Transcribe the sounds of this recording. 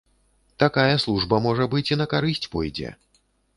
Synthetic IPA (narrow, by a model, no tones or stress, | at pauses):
t̪akajɐslˠuʐbɐmɔʐɐbɨt͡sʲinɐkaɾɨsʲt͡sʲpɔjd͡zʲɛ̰